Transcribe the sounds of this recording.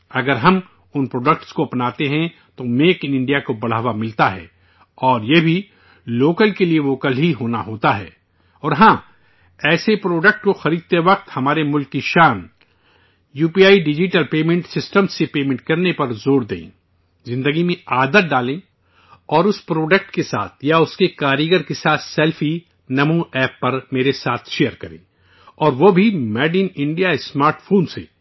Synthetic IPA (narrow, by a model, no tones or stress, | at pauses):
ɐɡəɾɦɐm | ʊnpɾoːɖək̚ʈskoɐpnaːt̪eɦɛ̃ | t̪omeːkɪnɪ̃ɳɖijakobɐɽ̤aːʋamɪlt̪aɦɛ̰ː | ɔːɾjebʱi | loːkəlkelieʋoːkəlɦiɦoːnaɦoːt̪aɦɛ̰ː | ɔːɾɦãː | ɛːsepɾoːɖək̚ʈkoxɐɾiːd̪̚t̪eʋɐq̚t̪hɐmaːɾemʊlkːiʃaːn | juːpiaːiɖɪd͡ʒiʈəlpeːmẽɳʈsɪsʈə̃msepeːmẽɳʈ̚kɐɾnepɐɾzoːɾd̪ḛ̃ː | zɪ̃nd̪əɡimẽaːd̪ət̪̚ɖaːlẽ | ɔːɾʊspɾoːɖək̚ʈkesa̰ːt̪ʰjaʊskekaːɾiɡəɾkesaːt̪ʰsɛlfi | nɐmũɛːpːɐɾmeːɾesaːt̪ʰʃeːjəɾkɐɾḛ̃ː | ɔːɾʋobʱimɛːɖiːnɪ̃ɳɖijaesmaːɾʈfʰoːnsḛː